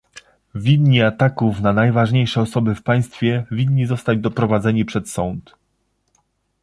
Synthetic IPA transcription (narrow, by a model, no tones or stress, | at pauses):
vʲid̪ɲiat̪akufnanajvaʐɲejʂɛɔsɔbɘfpaj̃st̪fʲjɛvʲid̪ɲːizɔst̪ad͡ʑd̪ɔpɾɔvad̪zɛɲipʂɛt̪sɔnt̪